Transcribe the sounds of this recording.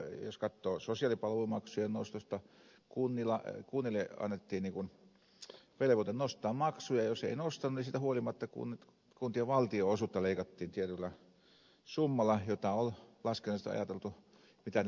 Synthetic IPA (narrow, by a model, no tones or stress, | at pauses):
joskɑt̪ːoːsosiɑlipɑlʋumɑksujɑnost̪ost̪ːɑ | kunːilɑkunːileɑ̰nːet̪ːiːnniːŋkun | ʋeleʋot̪ennost̪ˑɑːmmɑksujɑjoseinost̪ɑnunisiːt̪æhuolimɑt̪ːɑkṵn | kunt̪iɑʋɑlt̪ioosuˑt̪ːɑleikɑt̪ːiːnt̪iet̪ylːæ | sumːɑlˑɑjot̪ɑollɑskenɑst̪ɑ̰jɑt̪elt̪u | mit̪æ